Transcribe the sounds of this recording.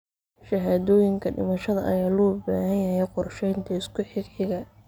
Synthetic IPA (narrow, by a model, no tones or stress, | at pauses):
ʃɐɦaːðɔːjɪŋkʰɐɖɪ̰mɐʃɐðɐʔɐjaːlɔːba̰ːhɐnjɐɦɛjqɔrʃɛjnt̪ʰɐɪskʰʊħɪɡħɪɣɐ